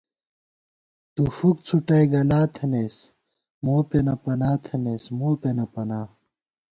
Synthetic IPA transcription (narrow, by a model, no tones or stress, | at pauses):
t̪ufuk̚t͡sʰuʈɐjɡɐlaːt̪ʰɐnes | moːpenɐpɐnaːt̪ʰɐneːsmoːpenɐpɐnaː